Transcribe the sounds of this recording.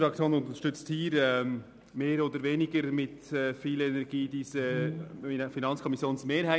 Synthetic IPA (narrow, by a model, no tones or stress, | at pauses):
ɾɑk̚t͡sjoːnʊnt̪əʃtʏt͡sthiːɾɛ | meːɾoːd̪əɾveːnɪɡəɾmɪtɛfiːlɛnɛɾɡiːd̥iːsə | finɑnt͡skʰɔmisjoːnsmeːɾhaɪ